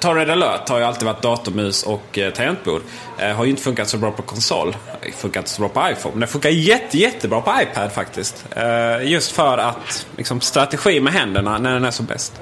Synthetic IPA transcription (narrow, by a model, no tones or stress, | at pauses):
t̪ʰɑːɾed̪alœːt̪haɾjɵalt̪ɪːd̪vaʈ̚d̪ɑːt̪ʊmʉ̟ːsɔkt̪ʰaɾɛnt̪̚bṵːd̪ | ɦaɾjʏɪnt̪ə̥fɵŋkat̪sɔbɾɑːpʰɔkʰɔnsɔ̰lːfɵŋkaɾɪnt̪ə̥sɔbɾɑːpʰɔajfɔ̰ːnmɛnd̪ɛfɵŋkajɛt̪ʰːəjɛt̪ʰːəbɾɑːpʰɔajpʰad̪fakt̪ɪst̪jɵst̪fœɾat̪lʔɪ̰ksɔmst̪ɾat̪ɛɧiːmɛɦɛnd̪əɳanæɖɛnæʂɔmbɛ̰st̪